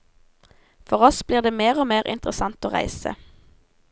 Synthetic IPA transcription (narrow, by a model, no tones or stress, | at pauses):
fɔʁɔsbliːʁd̪eːmeːʁoːmeːʁʔɪ̰nt̪ʁəsɑnt̪oːʁæ̰ɪsə̰